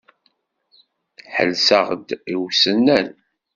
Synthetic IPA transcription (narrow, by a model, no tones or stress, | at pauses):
ħə̰lsəʁd̪iwsənːæn